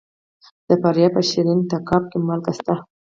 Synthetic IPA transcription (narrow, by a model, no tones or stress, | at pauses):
d̪̥əpaɾjɑpəʃiɾint̪akɑp̚kemalkast̪a